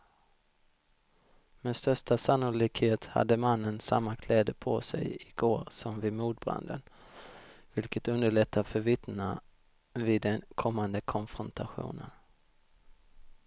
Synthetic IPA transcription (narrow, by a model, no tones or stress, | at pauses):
mɛnst̪œʂʈasanːʊliːkheːt̪ha̰d̪ːəmanːənsa̰mːakʰlɛːd̪əpʰɔ̰sɛ̰jɪɡoːɾsɔmvɪmuːd̪̚bɾa̰nd̪ə̰n | vɪlkət̪ɵnd̪əɭɛt̪ʰːafœɾvɪt̪na | vɪd̪ːɛnkʰɔmːand̪əkʰɔnfɾɔnt̪ʰaɧṵːnə̰n